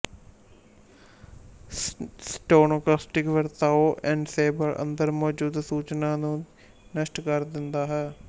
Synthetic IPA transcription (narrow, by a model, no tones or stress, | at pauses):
sʈoːnoːklaːsʈɪkʋəɾt̪aːoːʔɛ̃ːɳɖseːbəɾʔə̰̃nd̪əɾmɔːd͡ʒuːd̪suːt͡ʃnãːnũː | nəʃʈkəɾd̪ɪnd̪aːɦɛː